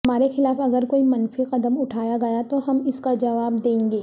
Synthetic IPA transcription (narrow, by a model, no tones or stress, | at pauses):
ɦɐmaːɾexɪlaːfɐɡəɾkoːimɐnfiqɐd̪əmʊʈʰaːjaɡɐjat̪oɦɐmɪskad͡ʒɐʋaːbd̪ẽːŋɡeː